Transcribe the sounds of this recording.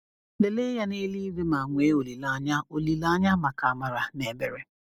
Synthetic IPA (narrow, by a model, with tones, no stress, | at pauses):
le˨le˦ja˦ne˦li˦ɾi˦ma˨ŋʷe˨˦o˨li˨la˦ɲa˦o˨li˨la˦ɲa˦ma˨ka˨a˨ma˨ɾa˨ne˨be˨ɾe˨